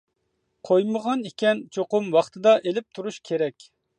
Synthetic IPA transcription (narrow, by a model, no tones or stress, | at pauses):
qʰojməʁɑnikʲɛnt͡ʃʰoqʊmwɑχt̪ʰɨd̪ɑʔelɪp̚t̪ʰuɾuʃkʲʰeɾɛkʲ